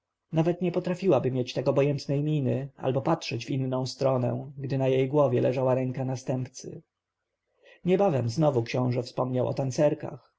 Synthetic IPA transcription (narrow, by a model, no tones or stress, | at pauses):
navɛt̪ɲɛpɔt̪ɾafʲiwabɘmʲjet͡ɕt̪ɛkɔbɔjɛnt̪nɛjmʲinɘʔa̰lbɔpatʂɛd͡ʑvinːɔ̃w̃st̪ɾɔnɛ̰ɡd̪ɘnajejɡwɔvʲjɛlɛʐawaɾɛŋkanast̪ɛmpt̪sɘ̰ | ɲɛbavɛmznɔvukɕɔ̃w̃ʐɛfspɔmɲawʔɔ̰t̪ant̪sɛɾka̰x